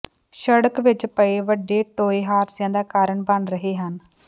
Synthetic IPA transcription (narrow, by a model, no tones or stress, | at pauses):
ʃəɽəkʋɪt͡ʃpəeːʋəɖːeːʈoːeːɦaːɾsɪjãːd̪aːkaːɾəɳbəɳɾəɦeːɦən